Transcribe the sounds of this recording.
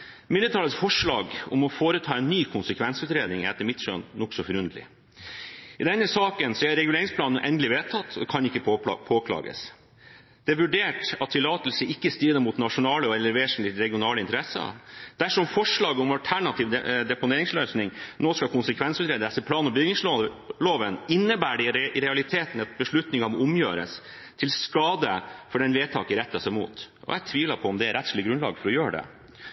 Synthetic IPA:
mɪnət̪ʰɑːləsfɔʂɭɑ̰ːɡɔ̰mɔfoːɾət̪ʰɑːɛnːyːkʰʊnsəkʰʋɛnsʉːt̪ɾeːd̪nɪŋɛt̪ːəmɪt̪ʂø̰ːnnːɔksɔfɔɾʉnd̪əlɪ̰ | ɪd̪ɛnːəsɑːkənsɔɛɾɛɡɪʉleːɾɪŋspʰlɑːn̩ʔɛnd̪lɪʋeːt̪ʰɑt̪ʰːɔkʰɑnɪkːəpʰoːkʰlɑ̰ːɡə̰s | d̪ɛæɾʋʉɖeːʈɑt̪ʰːɪlːɑːt̪lsəɪkːəst̪iːd̪əmut̪nɑʂʊnɑːləɔɛlːəɾʋeːʂn̩lɪɾɛɡɪʊnɑːləɪnt̪əɾɛsəɑ̰d̪̥æʂɔmfɔʂɭɑːɡəɔmɑlt̪ʰæɳɑt̪ʰiːʋd̪ɛpʊneːɾɪŋsløːsnɪŋnoːskɑkʰʊnsəkʰʋɛnsʉːt̪ɾeːd̪əsəpʰlɑːnɔbʏɡnɪŋso | loːʋənɪnːəbæːɖɛɾɛɑlɪt̪ʰeːt̪n̩ɛt̪̚bəʂɭʉt̪nɪŋɑmɔʊmjøːɾə̰s | t̪ʰɪlskɑːd̪əfɔɖɛnʋeːt̪ʰɑːkəɾɛt̪ːɑsɛmṵːt̪ʔɔ̰jɛt̪ʰʋiːʋləpʰɔɔmd̪ɛæɾɛt̪slɪɡɾʉnlɑ̰ːɡfɔɾɔjøːəɖɛ̰

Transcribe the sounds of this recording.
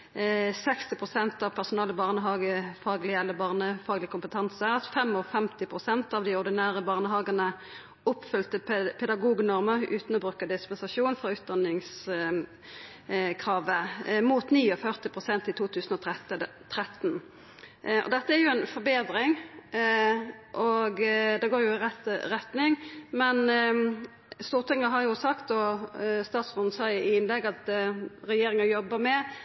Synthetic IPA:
sɛkst̪ɪpʰʁʊsɛnt̪ɑʋpʰæʁsʊnɑːləbɑːʁnəɦɑːɡəfɑːɡlɪɛlːəbɑːʁnəfɑːɡlɪəkʰʊmpət̪ʰɑnsəɑt̪fɛmɔfɛmt̪ɪpʰʁʊsɛnt̪ɑʋd̪ɪɔʁd̪ɪnæːʁəbɑːʁnəɦɑːɡənə | ʊpfʏlt̪əpʰɛd̪ɑɡuːɡnɔʁməʁʉːt̪nɔbʁʉːkəd̪ɪspɛnsɑʃuːnfɔʁʉːt̪̚d̪ɑnːɪŋs | kʰʁɑːʋəmuːt̪niːɔfœʁt̪ɪpʰʁʊsɛnt̪ɪlt̪ʰuːt̪ʰʉːsn̩ɔt̪ɛt̪ | t̪ʰɾɛt̪ːn | ɔ̰d̪ɛt̪ːəæʁjʊɛnfɔbeːd̪ɾɪŋ | ʔɔɡd̪ɛɡoːɾjʊɪʁɛt̪ɾɛt̪nɪŋmɛn | st̪uːʁt̪ʰɪŋːəɦɑʁjʊsɑkt̪ɔst̪ɑːt̪sɔnsɑɪɪnlɛɡːɑt̪ʁɛjeːɾɪŋɑjɔbːəmɛ

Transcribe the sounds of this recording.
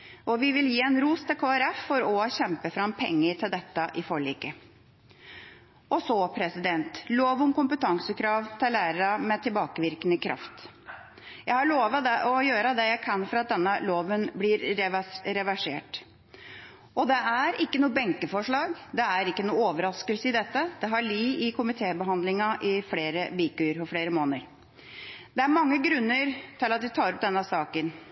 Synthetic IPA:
ʔɔʋɪʋɪljiːɛnɾuːst̪ɪlkʰoːæɾɛfːɔɾɔɕɛmpəfɾɑmpʰɛ̰ŋːəɾʈ̪ʰɪld̪ɛt̪ːəʔɪfɔɭḭːkə | ɔsɔpʰɾɛsɪd̪ɛnt̪loːʋʊmkʊmpət̪ʰɑŋsəkʰɾɑːʋt̪ʰɪlːæːɾəɾəmɛt̪ʰɪlbɑːkəʋɪɾkənəkʰɾʔɑ̰ft̪ | jæɪhɑɭoːʋəd̪ɛʔɔjøːɾəd̪ɛjæɪkʰɑnfɔɾɑt̪̚d̪ɛnːəloːʋənblɪɾɛɾɛʋæʂeːʈ | ʔɔd̪ɛæɾɪkːənuːəbɛŋkəfɔʂɭɑːɡd̪ɛæɾɪkːənuːoːʋəɾɑskəlsəɪd̪ɛt̪ːəd̪ɛɦɑɭiːɪkʰʊmɪt̪ʰeːbəɦɑnd̪lɪŋɑʔɪfleːɾəbɪːkʉəɾpɔfɽeːɾəmoːnəɾ | d̪̥ɛæɾmɑŋːəɡɾʉnːəɾt̪ʰɪlɑt̪̚ʋɪt̪ʰɑːɾɔp̚d̪ɛnːəsɑːkən

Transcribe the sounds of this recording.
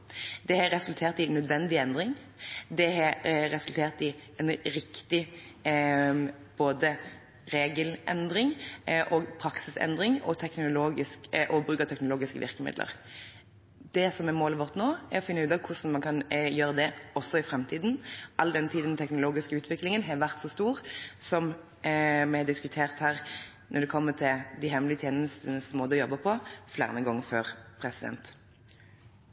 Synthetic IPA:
d̪ɛhɑɾɛsʉlt̪ʰeːʁt̪ɪnœd̪ʋɛnd̪ɪɛnd̪ɾɪŋ | d̪ɛɦɑɾɛsʉlt̪ʰeːʁt̪ɪɛnɾɪkt̪ɪ | b̥oːd̪ə | ɾeːɡəlɛ̰nd̪ɾɪŋʔoːɡpʰɾɑksɪsɛ̰nd̪ɾɪŋɔ̰t̪ʰɛknʊloːɡɪskʔɔbʁʉːkət̪ʰɛknʊloːɡɪskə̰ʋɪ̰ʁkəmɪ̰d̪lə̰ʁ | d̪ɛsɔmɛɾmoːləʋɔʁt̪noːɛɾɔfɪnːəʉːd̪ɑːʋkʰʊsn̩mɑnkʰɑnjøːʁəd̪ɛɔsːɔɪfɾɛmt̪ʰiːd̪nʔɑlːd̪ɛnət̪ʰiːd̪nt̪ʰɛknʊloːɡɪskəʉːt̪ʰʋɪklɪŋənɦɑʋæʁt̪sɔst̪uːʁsɔm | mɛɛd̪ɪskʉt̪ʰeːʁt̪hæːʁ | nʔɔɾd̪ɛkʰɔmːət̪ʰɪld̪ɪɦɛmlɪət̪ʰjeːnəst̪nəsɔmoːd̪əɔjɔbːəpʰɔflæ̰ːʁənəɡɔŋːəføːʁpʰɾɛsɪd̪ɛ̰nt̪

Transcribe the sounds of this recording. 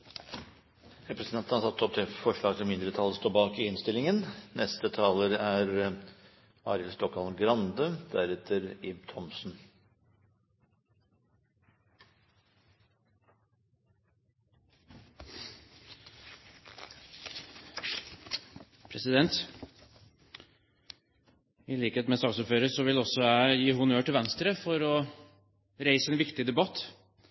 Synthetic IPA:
ɾɛpɾəsnʰɛnt̪ən̩ɑɾsɑt̪ːɔp̚t̪ʰɪfɔʂɭɑːɡt̪ɪlmɪnd̪ɾət̪ʰɑlːəst̪oːbɑːkɪɪnst̪ɪlɪŋənnɛst̪ət̪ʰɑːləɾæɾ | ɑ̰ːɾəlst̪ɔkʰːɑlɡɾɑnd̪əd̪̥æɾɛt̪ʰəɾɪb̚t̪ʰɔmsn̩ | pʰɾɛsɪd̪ɛnt̪ | ɪliːkəheːt̪mɛst̪ɑːɡsʊføːɾəsɔʋɪlɔsɔæjiːɦʊnøːʈɪlʋɛnst̪ɾəfɔɾɔ | ɾeɪsəɛːnʋɪkt̪ɪd̪ɛbɑt̪ː

